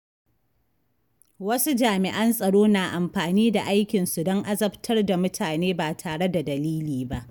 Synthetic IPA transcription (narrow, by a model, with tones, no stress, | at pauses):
wɐ˦su˦d͡ʒaː˨mɪ˨ʔa˦nsʼɐ˨ɽoː˦naː˨ʔa˨mɸaː˨niː˦da˨ʔa˦jkʲɪ˨nsu˨dɔ˦ŋʔa˦zɐ˦btʰɐ˦rda˨mʊ˦tʰaː˨neː˦baː˨tʰaː˨ɽe˦da˨dɐ˨liː˦liː˨ba˦ʔ